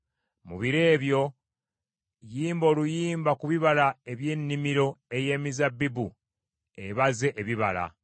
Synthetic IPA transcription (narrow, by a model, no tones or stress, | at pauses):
mṵβiɾe̞ːβjo̞ | jiːmbo̞ːlujiːmbakuβiβalae̞βje̞ːnːimiɾo̞e̞je̞ːmizabibu | eβaze̞ʔeβiβala̰